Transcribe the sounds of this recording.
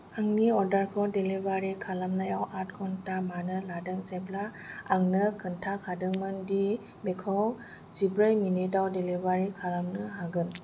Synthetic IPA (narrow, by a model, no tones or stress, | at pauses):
aŋniɔdaɾkʰɔwdelibaɾikʰalamnajawʔat̚kʰɔntamanɯladɯŋseblaaŋnɯkʰɯntʰakʰadɯŋmɯndi | bekʰɔw | zibɾɯjminidawdelibaɾikʰalamnɯɦaɡɯn